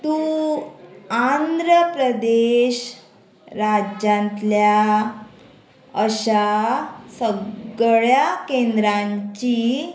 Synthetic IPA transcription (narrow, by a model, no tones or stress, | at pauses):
t̪u | and̪ɾəpɾəd̪eɕ | ɾad͡ʑãnt̪lja | əɕasəɭjakend̪ɾãɲt͡ɕi